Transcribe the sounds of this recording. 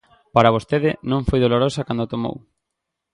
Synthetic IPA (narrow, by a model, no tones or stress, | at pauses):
paɾaβost̪eðɪnõŋfojðoloɾosɐkand̪ot̪omo̰w